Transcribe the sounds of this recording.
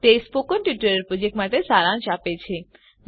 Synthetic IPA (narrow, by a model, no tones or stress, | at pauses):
t̪espokənʈuʈəɾəɾpɾod͡ʒeʈmaʈesaɾãnt͡ʃapet͡ʃʰe